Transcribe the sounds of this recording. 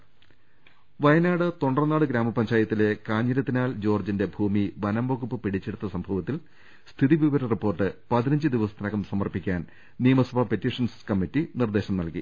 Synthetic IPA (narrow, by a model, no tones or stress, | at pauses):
ʋɐjɐnaːɽɨt̪o̞ɳɖrɐnːaːɽɨɡɾaːmɐpɐɲd͡ʑaːjɐt̪ːile̞kaːɲːɐlɐt̪ːinaːld͡ʑo̞ːrd͡ʑinde̞bʱuːmiʋɐnɐmboɣupːɨpiɽit͡ɕːeɽut̪ːɐsɐmbʱɐʋɐt̪ːil | st̪ʰiðiʋiʋɐɾɐripːo̞ːrʈːɨpɐðinɐɲd͡ʑɨd̪iʋɐsɐ̥t̪ːɐnɐɣɐmsɐmɐrpikʲːaːn | nijɐmɐsɐbʱapetːiʂɐnskɐmːitːinird̪e̞ːɕɐmnɐlkḭ